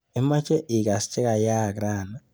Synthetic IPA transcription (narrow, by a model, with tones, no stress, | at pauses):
e˦ma˦t͡ʃe˦ʔi˨ka˨si̥t͡ʃe˦ka˨ja˦˨kɾaː˦˨na˨